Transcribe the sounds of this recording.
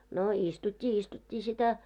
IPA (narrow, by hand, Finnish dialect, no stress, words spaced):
no istutʲːi istutʲːiː sitæ